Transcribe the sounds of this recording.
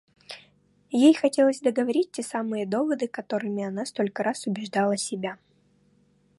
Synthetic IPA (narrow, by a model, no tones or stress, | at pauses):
jejxɐtʲe̞lˠəzʲd̪əɡəvɐɾʲit̚ʲtʲesamɨjəd̪o̞vəd̪ɨkɐt̪o̞ɾɨmʲɪɐnast̪o̞lʲkəɾasʊbʲɪʐd̪alˠəsʲɪbʲa